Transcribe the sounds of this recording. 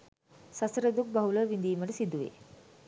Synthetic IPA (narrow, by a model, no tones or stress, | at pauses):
sɐsɾəd̪uk̚baɦuləʋind̪iːmədesid̪ːuʋḛ